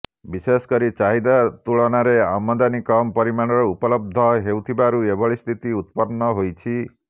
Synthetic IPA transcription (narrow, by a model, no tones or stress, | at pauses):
bisesɔ̥kɔɾit͡ʃaɦid̪at̪uɭɔnaɾea̰mɔd̪anikɔmɔpɔɾimaɽ̃ɔɾɔupɔlɔb̚d̪ʱɔɦewt̪ʰibaɾuebɔɭist̪ʰit̪iut̪pɔnːɔɦojt͡ʃʰi